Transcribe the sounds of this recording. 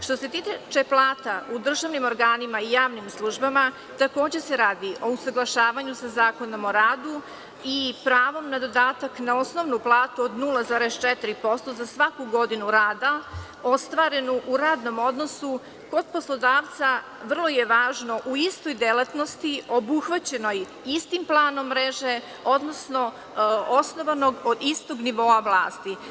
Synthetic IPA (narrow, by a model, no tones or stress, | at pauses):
ʃt̪o̞se̞t̪it͡ʃeplˠaːt̪aʔud̪r̩ʒaʋnimo̞ɾɡaːnimaijaːʋnimslˠuʒbama | t̪ako̞ːd͡ʑe̞se̞ɾaːd̪iʔo̞usaɡlˠaʃaːʋaɲusazaːko̞nomo̞ɾaːd̪u | ipɾaːʋo̞mnad̪o̞d̪aːt̪aknao̞sno̞ʋnuplˠaːt̪uod̪nulˠazaːɾest͡ʃɛt̪ɾipo̞st̪o̞zasʋakuɡo̞d̪inuɾaːd̪a | ost̪ʋaːɾe̞nuʔuɾaːd̪no̞mo̞d̪no̞su | ko̞d̪̚po̞slˠo̞d̪aːʋt̪sa | ʋr̩lˠo̞jeʋaːʒno̞ʔuist̪o̞jd̪elˠat̪no̞st̪io̞buxʋat͡ɕe̞no̞j | ist̪implˠaːno̞mːɾeʒe̞ | o̞d̪no̞sno̞ | osno̞ʋanoɡod̪ist̪oɡniʋo̞avlˠaːst̪i